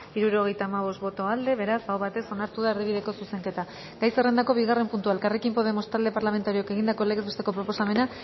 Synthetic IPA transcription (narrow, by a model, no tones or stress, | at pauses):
iɾuɾo̞ɣ̞ejt̪aːmaβ̞o̞st̪̚βo̞t̪o̞ald̪e̞βe̞ɾasawβat̪e̞so̞naɾt̪uðaerðiβiðe̞ko̞suse̞ŋke̞t̪a | ɡ̥ajsere̞nd̪ako̞βiɣare̞mpunt̪uaelkare̞kimpo̞ð̞e̞mo̞st̪ald̪e̞paɾlament̪aɾioake̞ɣ̞ind̪ako̞leɣezβe̞st̪e̞ko̞pɾo̞po̞same̞na